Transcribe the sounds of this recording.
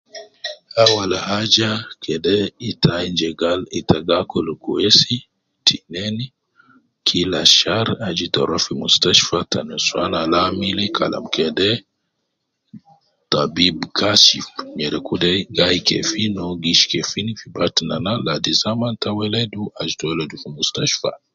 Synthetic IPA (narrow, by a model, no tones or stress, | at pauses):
awalahad͡ʒakʰɛdɛitʰaind͡ʒɛɡalitaɡakɔlukṵɛsi | tʰinɛni | kʰilaʃaɾad͡ʒitɔ̰ɾafimustaʃfatanɛswanalamilikʰa̰la̰mkɛdɛ | tabibkʰaʃifmɛɾɛkudɛɡaikɛ̰finɔɡiʃi̥kɛfinifibatinanaladizamantawɛlɛduad͡ʒitɔɛlɛdufimustaʃfa̰